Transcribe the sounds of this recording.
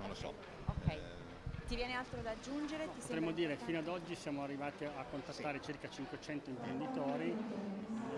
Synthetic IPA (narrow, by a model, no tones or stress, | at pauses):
nonlosɔ̰ | okɛj | t̪ivjɛːnealt̪ɾod̪ad͡ʒːund͡ʒeɾet̪iot̪ɾɛmːod̪iːɾefinoad̪ɔd͡ʒːisjaːmoarːivaːt̪iakːont̪at̪ːaːɾet͡ʃirkat͡ʃiŋkwet͡ʃɛnt̪oimpɾend̪it̪oːɾi